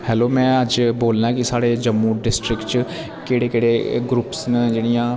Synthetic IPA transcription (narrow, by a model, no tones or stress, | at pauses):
hɛːloːmɛ̃ːɐd͡ʒboːlnakisaːɽed͡ʒɐmːuːɖɪsʈɾɪkʈt͡ʃ | keːɽekeːɽeɡɾuːpsnəd͡ʒeːɽ̃ɪjãː